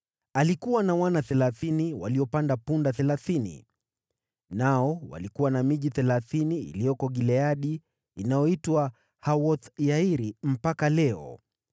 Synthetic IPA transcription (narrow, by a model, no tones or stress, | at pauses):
alikuwanawanaθɛlaθiniwaliɔpandapundaθɛlaθinḭ | naɔwa̰likuwanamiʄiθɛlaθinḭːlijɔkɔɠilɛaɗiː | najɔitwa | hawɔθjaiɾim̩pakalɛɔ̰